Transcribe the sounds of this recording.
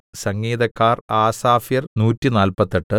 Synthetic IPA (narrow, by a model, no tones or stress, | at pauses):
sɐŋːiːd̪ɐkːaːraːsaːfjɐrnuːtːinaːlpɐt̪ːeʈːɨ